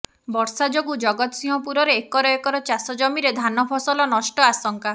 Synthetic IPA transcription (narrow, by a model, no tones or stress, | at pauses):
bɔɾsad͡ʒoɡud͡ʒɔɡɔt̪ɔsĩɦɔpuɾɔɾeːkɔɾɔekɔɾɔt͡ʃasɔd͡ʒɔmiɾed̪ʱanɔpʰɔsɔlɔnɔʃʈɔasɔŋka